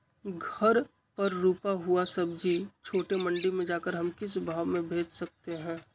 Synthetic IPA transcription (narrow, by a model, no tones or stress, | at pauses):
ɡʱɐɾ | pɐɾːuːpaɦuasɐbd͡ʒiːt͡ʃʰoːʈemɐ̃ɳɖimẽd͡ʒaːkəɾɦɐmkɪsbʱaːʋmẽbʱeːd͡ʒsɐk̚t̪eɦɛ̃ː